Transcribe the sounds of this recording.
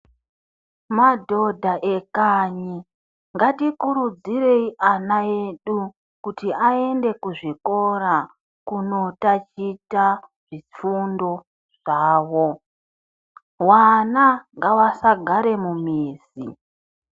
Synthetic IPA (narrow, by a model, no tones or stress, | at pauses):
madʱo̞dʱaʔe̞kaɲi | ŋɡatikuɾud͡ziɾe̞iʔanae̞ɗu | kutiae̞nde̞kuʐiko̞ɾa | kuno̞tat͡ʃitaʐ̥ifundo̞ | ʐ̥aːwo̞ | wanaŋɡawasaɡʱaɾe̞mumiːzi